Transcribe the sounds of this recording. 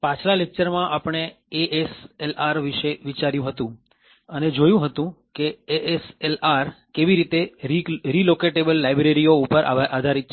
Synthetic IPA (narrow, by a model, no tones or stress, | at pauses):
pãt͡ʃʰlalek̚t͡ʃəɾmãʔapəɳ̃e | eʔeselaɾʋiʃeʋit͡ʃaɾjũɦət̪ũ | əned͡ʒojũɦət̪ũkeeʔeselaɾkeʋiɾit̪eɾilokeʈebəlːajbɾeɾioupəɾʔad̪ʱaɾit̪̚t͡ʃʰ